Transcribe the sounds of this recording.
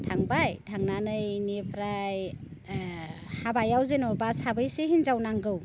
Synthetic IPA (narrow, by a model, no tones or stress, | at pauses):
tʰaŋbajtʰaŋnanɯjnipʰɾaj | habajawzenɔbashabɯjsiɦinzawnaŋɡɯw